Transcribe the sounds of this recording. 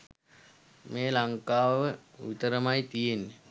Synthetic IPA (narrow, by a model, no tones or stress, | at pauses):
meːlaŋkaːʋʋəit̪əɾəmajt̪ijenːe